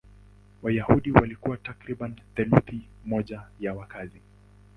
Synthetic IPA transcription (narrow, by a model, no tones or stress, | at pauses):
wajahuɗiwalikuwatakɾiɓanθɛluθimɔʄajawakazi